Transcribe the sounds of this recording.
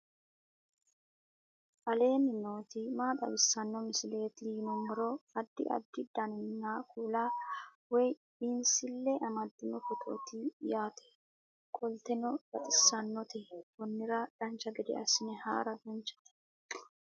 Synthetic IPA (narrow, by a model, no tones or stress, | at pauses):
ʔɐle̞ːnɪnoːt̪ɪmaːt̪ʼɐ̰wɪsːɐnːɔmɪsɪle̞ːt̪ɪːnɔmːɔɾoɐd̪ːɪ̰ʔɐ̰d̪ːɪd̪anɪnnːaːkuːlaː | wɛj | insɪlːɛʔɐmɐd̪ːɪnɔfɔt̪ʼo̰ːt̪ɪjaːt̪ʰɛ̥ | kʼɔlt̪ɛnɔbɐt̪ʼɪsːɐnːɔt̪ɛwɔnːɪɾɐd̪̥ɐnt͡ʃːɐɡɛd̪ɛ̰ɐsɪnɛha̰ːɾɐd̪ɐnt͡ʃːɐ̥t̪ɛ̥